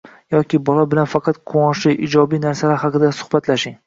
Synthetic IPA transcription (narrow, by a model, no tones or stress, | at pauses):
jɒkʲɪbɒlˠɒbɪlanfɑqʰɑt̪qʰoŋɒʃɪʔɪd͡ʒɒbijnaɾsalaɾhɑqɨd̪asʊ̥hbat̪laʃɪŋ